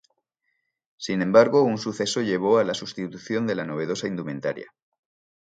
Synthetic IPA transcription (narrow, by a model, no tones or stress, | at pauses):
sinẽ̞mbaɾɣo̞unsuθe̞so̞ʎe̞β̞o̞alasust̪it̪uθjo̞nd̪e̞lano̞β̞e̞ð̞o̞saind̪umẽ̞nt̪a̰ɾja̰